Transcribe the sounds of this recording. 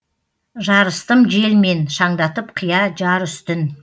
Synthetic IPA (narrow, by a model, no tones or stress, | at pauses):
ʒɑɾəst̪əmʒe̞lme̞nʃɑɴd̪ɑt̪əpqʰijɑd͡ʒɑɾʏst̪ɪn